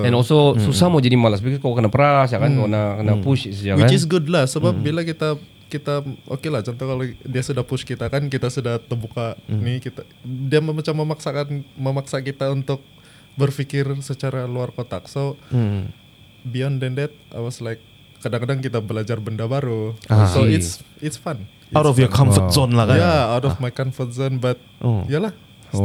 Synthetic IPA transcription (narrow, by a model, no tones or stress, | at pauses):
ɛnososusamod͡ʒadimalasbikɪt̪̚kokənapəɾasjakankənakənaput͡ʃsjawɪkat͡ʃɪs̬ɡʊdlahsəbap̚bilakit̪a | kit̪aʔo̰kelat͡ʃɔnt̪ɔkalodiasudahpʊʃkit̪akankit̪asudaht̪ərbukanɪkit̪a | diammat͡ʃamːəmaksakanməmaksakit̪aunt̪ʊk̚ | bərfikɪrsət͡ʃaɾaluarkot̪ak̚so | biɔndɛndɛt̪̚ʔa̰paslaɪkː | adaŋkadaŋkit̪abəlad͡ʒarbəndabaɾuasoɪsɪtsfan | awtɔfjɔkʰɔmft̪zɔnlahkajaawt̪ɔfmajkɔnfət̪̚zɔnbat̪̚ijalah